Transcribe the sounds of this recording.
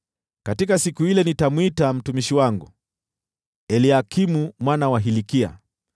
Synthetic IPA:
katikasikuilɛnitamwitam̩tumiʃiwaŋɡu | ɛliakʰimumwanawaɦilikia̰

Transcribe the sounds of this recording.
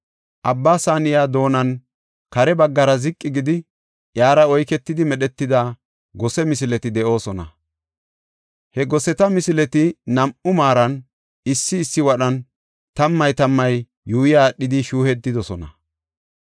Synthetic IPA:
ʔɐbːaːsaːnɪjaːd̪o̞ːnɐn | kɐɾɛbɐɡːɐɾɐzɪkʼːɪɡɪd̪ɪ | jaːɾɐɔjkɛt̪ːɪd̪ɪmɛɗɛt̪ːɪd̪aː | ɡɔsɛmɪsɪlɛt̪ɪd̪ɛʔo̞ːsɔnɐ̰ | hɛɡɔsɛt̪ɐmɪsɪlɛt̪ɪnɐmʔʊmaːɾɐn | ɪsːɪːsːɪwɐɗɐn | t̪ɐmːɐjt̪ɐmːɐjː | uːjɪjaːɗɪd̪ɪʃuːhɛd̪ːɪd̪ɔsɔnɐ

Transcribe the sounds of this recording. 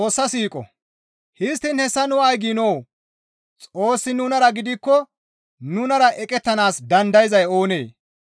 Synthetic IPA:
t͡sʼo̞ːsːɐsiːkʼɔ̰ | hɪst̪ːɪnhɛsːɐnʊɐjɡinoː | t͡sʼo̞ːsːɪnʊnɐɾɐɡɪd̪ɪkːɔ | nʊnɐɾɐʔɛkʼɛt̪ːɐnaːsd̪ɐnd̪ɐjzɐjo̞ːne̞ː

